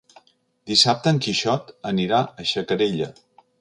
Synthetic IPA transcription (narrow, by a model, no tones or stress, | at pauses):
d̪isap̚t̪əːŋkiʃɔt̪əniɾaəʃəkəɾeʎə